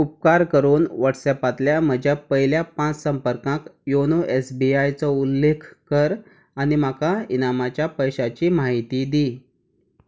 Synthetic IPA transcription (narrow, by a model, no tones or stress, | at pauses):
up̚kaɾkəɾuːnʋaʈsɛpat̪ljam̤əd͡ʑʱjapəɦiljapãt͡ssəmpəɾkãkjonuʔesbiajt͡sɔulːekʰkəɾ | anim̤akainamat͡ɕjapəjɕat͡ɕiːmaɦit̪iːd̪i